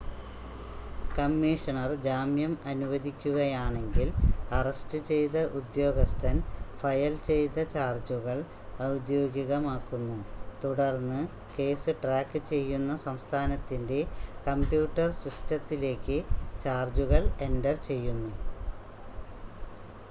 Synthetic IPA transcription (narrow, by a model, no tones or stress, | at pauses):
kɐmːiːʂɐɳɐrd͡ʑaːmjɐmɐnuʋɐd̪ikʲːuɣɐjaːɳe̞ŋɡilɐrɐstɨt͡ɕe̞jt̪ɐʔud̪jo̞ːɡɐst̪ʰɐnfɐjɐlt͡ɕe̞jt̪ɐt͡ɕaːrd͡ʑuɣɐɭ | ɐwd̪jo̞ːɡiɣɐmaːkːunːut̪uɽɐrnːɨ | ke̞ːsɨʈraːkːɨt͡ɕe̞jːunːɐsɐmst̪ʰaːnɐt̪ːinde̞kɐmpjuːʈːɐrsistɐt̪ːile̞ːkːɨt͡ɕaːrd͡ʑuɣɐɭe̞ndɐrt͡ɕe̞jːunːu